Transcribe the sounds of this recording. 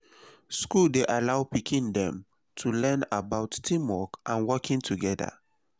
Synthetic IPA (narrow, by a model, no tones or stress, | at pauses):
skuldeʔalaʊpikĩndɛ̃m | tʰulɛ̃nabaʊtːĩmɔkʔãnwɔkĩŋtʰuɡɛda̰